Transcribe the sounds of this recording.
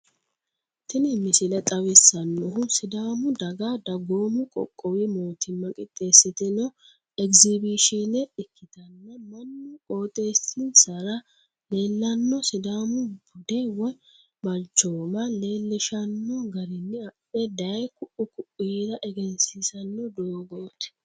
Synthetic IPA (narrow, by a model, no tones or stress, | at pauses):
t̪ɪnɪmɪsɪlɐt̪ʼɐwɪsːɐnːɔɦʊsɪd̪aːmʊd̪ɐɡad̪ɐɡoːmʊkʼɔ̰kʼːɔwɪmoːt̪ʰɪmːɐkʼɪt̪ʼːe̞ːsːɪt̪ɛnɔ | ɛkzɪbiʃinɛɪkːɪt̪ɐnːɐmɐnːʊkʼo̞ːt̪ʼe̞ːsɪnsɐɾɐ | leːlːɐnːɔsɪd̪aːmʊbʊd̪ɛwɔj | bɐlt͡ʃːoːmɐle̞ːlːɪʃɐnːɔɡɐɾɪnːɪɐpːɛd̪ɐjkʊʔʊkʊʔid̪ɐʔɛɡɛnsisɐnːɔd̪oːɡoːt̪ɛ̥